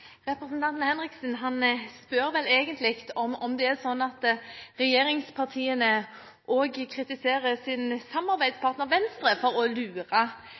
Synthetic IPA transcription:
ʁɛpɾɛsnt̪ʰɑnt̪n̩hɛnɾɪksən̩ɦɑnspœɾʋɛleːɡənt̪lɪkt̪ɔmɔmd̪ɛæsɔnːɑt̪ʁɛjeːɾɪŋspʰɑʁt̪ʰiːənə | ʔoːɡkʰɾɪt̪ɪseːɾəsɪnsɑmːɑɾbæɪd̪spʰɑɾt̪nəɾʋɛnst̪ɾəfɔɾɔlʉːɾɑ

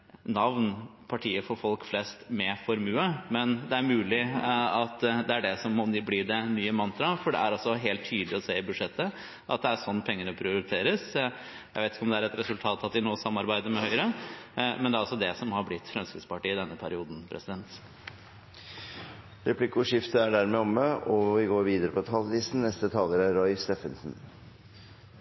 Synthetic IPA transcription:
nɑʋnpʰɑʈʰiːəfɔɾfɔlkflɛst̪mɛfɔɾmʉːəmɛnd̪ɛæɾmʉːlɪɑt̪d̪ɛæɖɛsɔmːɔnbliːd̪ɛnyːəmɑnt̪ɾɑfɔɖɛ̰æɾɔsːɔɦeːlt̪ʰːyːd̪lɪɔseːɪbʉd̪ʂɛt̪ːə | ʔɑ̰t̪̚d̪ɛæʂɔnːpʰɛŋːəɳəpʰɾɪʊɾɪt̪ʰeːɾəs | jæɪʋeɪɪ̥kəɔmd̪ɛæɾɛt̪ɾɛsʉlt̪ʰɑːt̪ɑt̪ʋɪnoːsɑmːɑɾbæɪd̪əɾmɛhœʏɾəmɛnd̪ɛæɾɑlsɔd̪ɛsɔmhɑɾblɪt̪ːfɾɛmskɾɪt̪spɑʈiːəɪd̪ɛnːəpʰæɾɪuːd̪n̩pʰɾʔɛ̰sɪd̪ɛnt̪ | ɾɛpʰlɪkʊʂɪft̪əæɖæɾmɛɔmːəɔʋɪɡoːɾʋiːd̪əɾəpɔt̪ʰɑːlliːsn̩nɛst̪ət̪ʰɑːləɾæɾɔʏst̪ɛfənsn̩

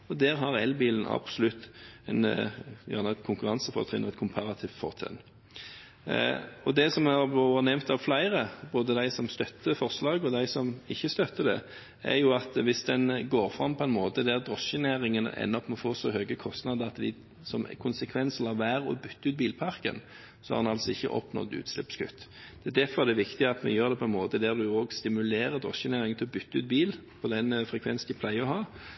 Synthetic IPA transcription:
ɔd̪æːʁɦɑʁɛlbiːlən̩ɑ̰b̥sɔlʉt̪ːɛnjæ̰nəɛt̪kʰʊŋkʉʁɑnsəfɔ̰ʁt̪ʰʁɪ̰nɔɛt̪̚kʰʊmpʰɑɾɑt̪ʰɪʋfɔ̰ʁt̪ʰɛ̰n | ɔd̪ɛsɔmɑʁoːʋənɛmt̪ɑʋflæɪʁəboːd̪əd̪æɪsɔmst̪œt̪ːəfɔʁslɑːɡɔd̪æɪsɔmɪçːəst̪œt̪ːəd̪ɛ̰ | ʔæ̰ʁjʊɑt̪ʋɪsd̪ɛnɡoːɾfʁɑmːpʰɔɛnmoːt̪əd̪æʁd̪ʁɔsənæːɾɪŋən̰ɛ̰nːɔpmɔfoːsɔhøːɡəkʰɔst̪nɑːd̪əɾɑt̪d̪ɪ̰ | sɔm̰kʰʊnsəkʰʋɛnsəlɑʋʋæːɾɔ̰bʏt̪ːəʉːt̪̚biːlpʰɑʁkə̰n | sɔhɑ̰d̪ɛnɑlsɔɪçːə̰ʔɔ̰pnɔ̰d̪ʉ̰ːt̪slɪpskʉ̰t̪ː | d̪̥ɛd̪æʁfɔʁɛd̪ɛæʋɪkt̪ɪɑt̪mɛ̰jøːɾd̪ɛpʰɔɛnmoːt̪əd̪æʁd̪ʉɔɡst̪ɪmʉleːɾəd̪ʁɔ̰sənæːɾɪŋnt̪ʰɪlɔbʏt̪ːʉːt̪̚biːlpʰɔd̪ɛnfʁɛkʰʋɛnsnɪpʰlæɪəɔɦɑː

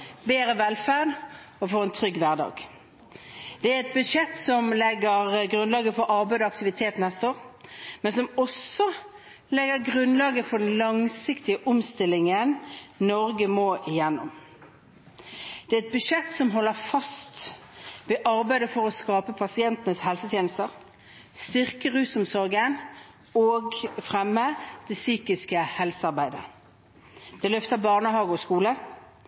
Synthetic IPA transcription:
beːɾəʋɛlfæʁd̪ | ɔfɔɾɛnt̪ʰʁʏɡʋæʁd̪ɑ̰ːɡ | d̪̥ɛæɛt̪̚bʉʂɛt̪ːsɔmlɛɡəʁɡʁʉnlɑːɡəfɔɾʔɑʁbæɪd̪ɔɑk̚t̪ɪʋɪt̪ʰeːt̪nɛst̪əoːʁmɛnsɔmɔsːɔ | lɛɡəʁɡʁʉnlɑːɡəfɔɖɛn̩lɑŋsɪkt̪ɪəʔɔmst̪ɪlːɪŋənnɔʁɡəmoːʔɪjɛnːɔm | d̪̥ɛæɛt̪̚bʉʂɛt̪ːsɔmɦɔlːəʁfɑst̪ | ʋeːʔɑʁbæɪd̪əfɔʁoskɑːpəpʰɑsɪɛnt̪ənəshɛlsət̪ʰjeːnəst̪əʁ | st̪ʏʁkəʁʉːsʊmsɔʁɡən | oːɡfʁɛmːəd̪̥ɛsyːkɪskəhɛlsəɑʁbæɪd̪ə | d̪̥ɛlœft̪əbɑʁnəhɑːɡəɔskuːlə

